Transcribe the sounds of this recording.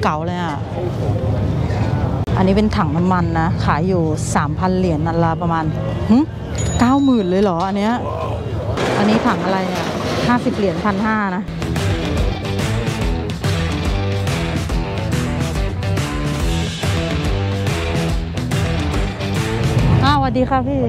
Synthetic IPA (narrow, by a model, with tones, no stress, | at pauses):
ka˨˩˦wlɤː˧jʔa˩ | ʔa˧nːiː˦˥pe˧nt̪ʰa˩˦ŋna˧˥mːa˧nːa˦˥kʰaː˩˦jːuː˨˩saː˩˦mpʰa˧nli˨˩˦nʔa˧nla˧pa˧maː˧n | hɯ˧˥ | kaː˥˩wmɯː˨˩nlɤː˧˩jlɔː˩˦ʔa˧nːi˦˥ɐʔ | ʔa˧nːiː˦˥t̪ʰa˨˩˦ŋʔa˧ɾa˧jni˧˩ɐ˨ | haː˥˩si˨˩p̚li˨˩˦ənpʰa˧nhaː˥˩˧na˦˥ | ʔaː˧˩wa˧˩diː˧xʰa˦˥˩pʰiː˥˩